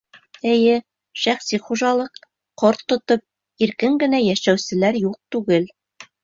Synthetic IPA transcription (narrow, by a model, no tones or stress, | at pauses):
ɘ̆jɘ | ʃæχsiχuʒɑlˠɤq | qoɾt̪ːŏt̪op̚ | iɾkɘŋɡɘ̆næjæʃæwsɘ̆læɾjuq̚t̪ʉɡɘl